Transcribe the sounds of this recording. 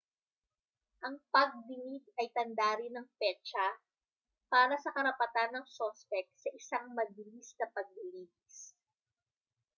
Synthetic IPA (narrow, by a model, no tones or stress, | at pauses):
ʔɐŋpɐɡ̚d̪ɪmit̪̚ɐjt̪ɐnd̪aːɾɪnɐŋpɛt͡ʃɐ | paːɾɐsɐkɐɾɐpɐt̪anːɐŋsospɛk̚sɐʔɪsaŋmɐɡilisnɐpɐɡ̚bɪliːdis